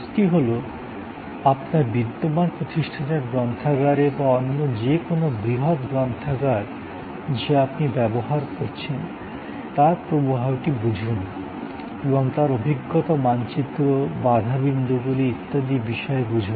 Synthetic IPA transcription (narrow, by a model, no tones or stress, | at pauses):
sʈiɦolo | apnaɾbid̪ːomanpɾot̪iʃʈʰaneɾɡɾɔnt̪ʰaɡaɾebaɔnːod͡ʑekonobɾiɦot̪ɡɾɔnt̪ʰaɡaɾ | d͡ʑeapnibɛboɦaɾkoɾt͡ɕʰen | t̪aɾpɾobuɦawʈibud͡ʑʱun | ebɔŋt̪aɾobʱiɡːot̪omant͡ɕit̪ːɾobad̪ʱabind̪uɡuliit̪ːad̪ibiʃɔebud͡ʑʱun